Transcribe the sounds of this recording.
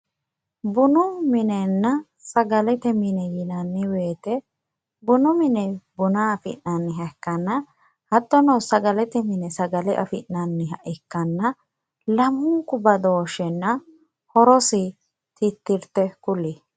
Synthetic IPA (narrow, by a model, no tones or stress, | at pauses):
bʊnʊmɪnɛnːɐ | sɐɡɐlɛt̪ɛmɪnɛjɪnɐnːɪweːt̪ɛ | bʊnʊmɪnɛbʊnaɐfɪ̰nnɐnːɪɦɐkːɐnːɐ | hɐt̪ːɔnɔwsɐɡɐlɛt̪ɛmɪnɛsɐɡɐlɛʔɐ̰fɪnːɐnːɪɦɐʔɪkːɐnːɐ | lɐmːʊŋkʼʊbɐd̪o̞ːʃɛnːɐ | hɔɾɔsɪ | t̪ɪt̪ːɪɾt̪ɛkʊli